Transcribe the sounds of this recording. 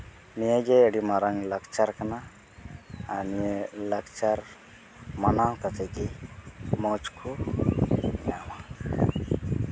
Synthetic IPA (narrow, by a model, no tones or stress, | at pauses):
nijaɡɛːɽimaɾaŋləkt͡ʃaɾkanaː | niləkt͡ʃaɾ | manawkat͡ʃɛɡɛ | mɔt͡ʃkʰu | ɲama